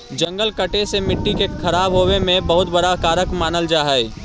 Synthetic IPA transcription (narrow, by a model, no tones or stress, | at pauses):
d͡ʒɐ̃ŋɡəlkəʈesemɪʈːikexʰɐɾaːbɦoːemẽbɐɦʊt̪bɐɽakaːɾəkmaːnəld͡ʒaːɦəeː